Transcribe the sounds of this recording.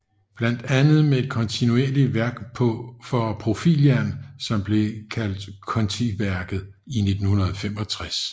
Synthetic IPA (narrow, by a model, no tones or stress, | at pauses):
b̥læn̰d̥ænð̩ˠmee̝d̥̚kʰɒ̽nt͡sʰinue̝ɐliʋæɐɡ̥pʰɔ̽fɒ̽pʰʁo̝fḭljænsɒ̽mb̥le̝kʰæl̰d̥kʰɒ̽nt͡sʰiʋæɐɡ̥ð̞̩ˠ | ine̝d̥n̩hunɐðˠɒfem̰ɒ̽t͡sʰʁas